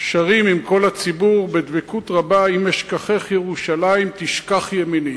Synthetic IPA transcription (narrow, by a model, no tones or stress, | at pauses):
ʃaʁimimko̞lhat͡sibuʁbed̪vekut̪ʁabaimeʃkaχe̞χjeʁuʃalaimt̪iʃkaχjemini